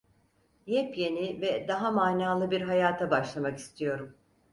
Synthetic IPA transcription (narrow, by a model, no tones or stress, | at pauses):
jɛpje̞nivɛd̪aɦamaːnaːlˠɯbiɾɦajaːt̪ʰabaʃlˠamaki̥st̪ʰijo̞ɾum